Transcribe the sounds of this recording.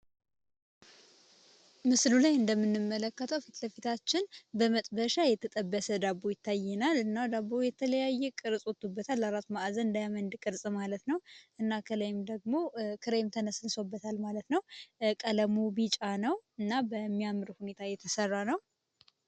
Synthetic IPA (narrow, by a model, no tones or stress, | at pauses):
mɨslulajɨnd̪əmːɨnːɨmːələkːət̪ʰəwfit̪ləfit̪ʰat͡ʃːɪnbəmət̪ʼbəʃajɛt̪ʰət̪ʼəbːəsəd̪abojɪt̪ʰːajɛnalɨnːad̪abːojɛt̪ʰələjajːɛkʼɨɾsʼwɔt̪ːubːət̪ʰalːaɾat̪maʔzənɨnd̪ajamənd̪ɨkʼɨɾsʼmalət̪nəwʔɨnːakʰələjɪmd̪əɡ̚mo̞kʰɨɾejɪmt̪ʰənəsɨnsobːət̪ʰalmalət̪nəwkʼələmubit͡ʃʼanəwɨnːabəmːijamːɨɾhune̞t̪ʰajɛt̪ʰəsərːanəw